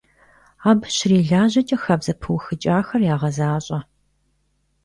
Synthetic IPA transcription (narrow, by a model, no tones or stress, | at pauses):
aːbʃɕreːɮaːʑɐt͡ʃʼɐxɐbzɐpʰɨwxɨt͡ʃʼaːxɐrjaːʁɐzaːɕʼɐ